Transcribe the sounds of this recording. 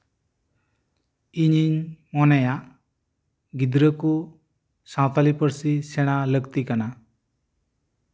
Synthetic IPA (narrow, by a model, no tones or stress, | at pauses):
iɲiɲmɔnajaʔ | ɡid̪ɾəku | sãwt̪alipəɾsisɛɽ̃aləɡt̪ikana